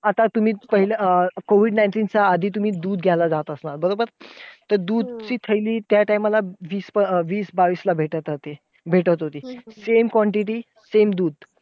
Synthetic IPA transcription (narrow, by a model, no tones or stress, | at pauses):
at̪at̪um̤iːpəɦilakoʋiɖnajɳʈiːnt͡saːd̪ʱiːt̪̬um̤iːd̪uːd̪ɡʱjalad͡zat̪əsnaɾbəɾobəɾt̪əɾd̪uːd̪̚t͡ɕiːt̪ʰəjliːt̪jaʈajmalaʋiːspəʋiːsbaʋiːslabʱeʈət̪ət̪e | bʱeʈət̪ɦot̪iːsemkʋɔɳʈiʈiː | semd̪uːd̪̚